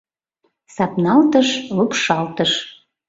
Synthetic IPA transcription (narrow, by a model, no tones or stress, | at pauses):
sɑpnɑlt̪əʃlupʃɑlt̪əʃ